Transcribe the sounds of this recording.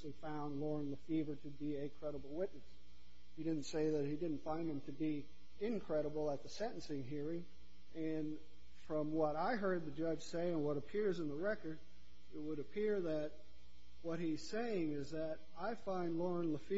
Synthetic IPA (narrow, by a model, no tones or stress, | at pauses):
lifãʊ̃ndˡlɔɹɨ̃nləfivə˞ɾɨbiɨkʰɹ̥ɛɾəbl̩ˠwɪtⁿnɨs | hiɾɪdⁿn̩tseɪðɨt̚hidɪdⁿn̩tfãɪ̃nɨ̃mtʰɨbi | ɪ̃nkʰɹ̥ɛɾəbl̩ˠət̪̚ðəsɛ̃ɾ̃ɨ̃n̩sɪ̃ŋɦiɹɪ̃ŋ | ɨ̃n | fɹʌ̃mwʌɾaɪɦɜ˞d̪̚ðɨd͡ʒʌdʒ̥seɪɨ̃nwʌɾəpʰɪɹzə̃nðəɹɛkə˞ɾ | ɪt̚wəɾɨpʰɪɹðɨt̚ | wʌt̚hiz̥seɪɪ̃ŋɪzðɨɾ | aɪfãɪ̃ndˡlɔɹə̃nləfi